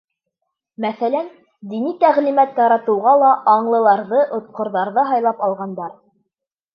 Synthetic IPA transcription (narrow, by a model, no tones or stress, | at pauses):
mæθælæn | d̪init̪æʁlimæt̪jɑɾɑt̪ɤ̆wʁɑlˠɑʔɑɴlˠɤ̆lˠɑɾðɤʔŏt̪̚qŏɾðɑɾðɤɦɑjlˠɑpɑlˠʁɑnd̪ɑɾ